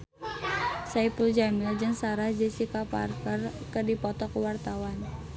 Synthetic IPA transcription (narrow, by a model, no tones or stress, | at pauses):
saipəld͡ʒamild͡ʒɨŋsaɾahd͡ʒəsikapa̰rkərkədipɔt̪ɔkwart̪awan